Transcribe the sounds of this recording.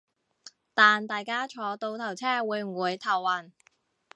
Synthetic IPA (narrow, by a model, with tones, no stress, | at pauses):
t̪aː˨nt̪aː˨jkaː˥t͡ʃʰɔː˨˧t̪o˧wt̪ʰɐ˨˩wt͡sʰɛː˥wuː˨˧jm̩˨˩wuː˨˧jt̪ʰɐ˨˩waː˨˩n